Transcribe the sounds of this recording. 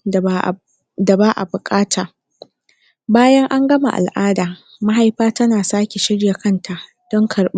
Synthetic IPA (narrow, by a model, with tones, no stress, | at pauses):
da˨baː˦ʔa̰˨bʊ˨kʼaː˦tʰaː˨ | baː˦jɐ˦ŋʔa˦ŋɡɐ˦ma̰˨ʔa̰˨lʔaː˦daː˨ | ma˦ɦa˦jɸaː˦tɐ˦naː˨saː˦kʲe˨ʃɪ˦ɽja˨kɐ˦ntʰa˨ʔ | d̥ɔ˦ŋkʰɐ˨ɽɓ